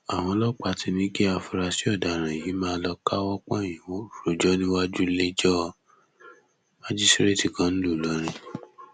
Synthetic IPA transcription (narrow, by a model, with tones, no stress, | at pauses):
a˨w̃ɔ̃˧lɔ˦k͡pa˧ti˧nĩ˦ke˦a˧fu˧ɾa˧si˦ɔ˦˨da˨ɾ̃ã˨ji˨˦mãː˦˧˦lɔ˧ka˦wɔ˦k͡pɔ˦˨jĩ˨wo˨˦˨ɾo˨d͡ʒɔ˦nĩ˦wa˦d͡ʒu˦le˦d͡ʒɔ˦ | ma˦d͡ʒi˦sɾe˦ti˨kã˦ñ̩˦lu˦˨lɔ˨˦ɾ̃ĩ˧